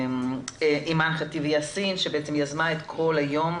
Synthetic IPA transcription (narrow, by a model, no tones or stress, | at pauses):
mʔimanχat̪ivjasinʃebeet͡semjazmaet̪kʰolajom